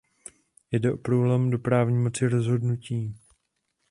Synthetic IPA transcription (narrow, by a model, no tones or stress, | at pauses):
jdɛʔo̞pɾuːlɛmdo̞pɾaːvɲiːmo̞t͡sɪɾo̞zɦo̞dnuciː